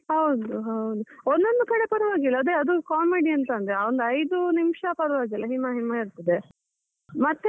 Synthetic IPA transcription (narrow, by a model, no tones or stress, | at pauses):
hɐwd̪uɦɐwd̪uond̪o̞nd̪ukɐɽe̞pɐɾuʋaːɡilːɐɐd̪eɐd̪ukaːmeɽiɐnt̪ɐːnd̪ɾeaːond̪uɐjd̪unimʂɐpɐɾuʋaːɡilːɐɦimːɐɦimːɐiɾt̪ɐd̪e | mɐt̪ːe